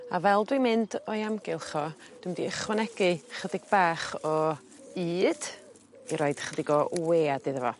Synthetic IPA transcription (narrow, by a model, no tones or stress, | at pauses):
avɛlˠdwimɨndɔjamɡɪlˠχɔ | d̥wɪmdiəχwɛnɛɡ̥ɨχədɪɡ̥̚baːχɔ | iːd̥ | iɾɔɨd̥χədɪɡɔʔweːadɨðəvɔ̰